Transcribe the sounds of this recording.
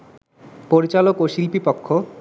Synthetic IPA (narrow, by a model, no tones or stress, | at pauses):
poɾit͡ɕalokoʃilpipokʰːo